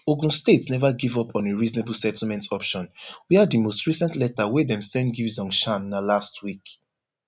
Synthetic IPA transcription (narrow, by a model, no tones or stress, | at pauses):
oɡũstetnɛvaɡivɔpʰɔ̃neɹizneblsɛtl̩mɛ̃ntɔpʃɔ̃nwiadimostɹisɛ̃ntlɛtawɛdɛ̃msɛ̃nɡivzɔ̃ŋnʃãnːalastʰwik